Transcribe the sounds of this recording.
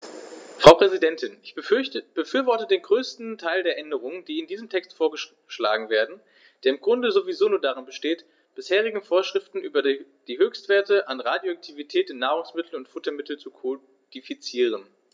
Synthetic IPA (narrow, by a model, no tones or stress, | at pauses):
fʁ̥aʊʁ̥ɛzidɛntʰɪnʔɪçb̥əfyːɐvɔɐtədeːnɡʁøːstn̩tʰaɪldeːɐʔɛndəʁ̞ʊŋənd̥iːɪndiːzəmtʰɛkstfoːɐɡə | ʃla̰ːɡŋ̩veːɐdn̩ | d̥eːɐɪmɡʁʊndəzovizoːnuːɐdaʁɪnbəʃteːt | b̥ɪsheːʁ̞ɪɡŋ̩foːɐʃʁ̥ɪftn̩ʔyːbɐ | d̥iːɦøːçstv̥eːɐtəʔanʁaːdjoak̚tʰivitʰɛːtɪnːaːʁ̞ʊŋsmɪtʰl̩ʊntfʊtɐmɪtl̩t͡sukʰo | d̥ifit͡siːʁ̞ən